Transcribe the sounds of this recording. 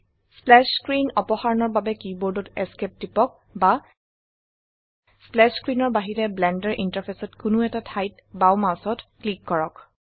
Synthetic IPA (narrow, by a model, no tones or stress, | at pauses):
splɛskɹinɔpɔxaɹɔnɔɹbabɛkibɔɹdɔtɛskep̚tipɔk̚ | ba | splɛskɹinɔɹbaɦiɹɛblɛndɛɹʔintaɹpʰesɔtkʊnʊɛtatʰajt | bawmawsɔtklikːɔɹɔk